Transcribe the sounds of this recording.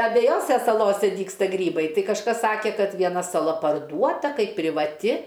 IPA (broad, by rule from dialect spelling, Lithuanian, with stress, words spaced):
ɐbʲɛjˈoːsʲɛ sɐˈlˠoːsʲɛ ˈdʲiːkstɐ ˈɡrʲiːbɐɪ ˈtɐɪ kɐʃˈkɐs ˈsɑːkʲɛ kɐt ʋʲiɛˈnɐ sɐˈlˠɐ pɐrˈduɔtɐ ˈkɐɪp pʲrʲɪʋɐˈtʲɪ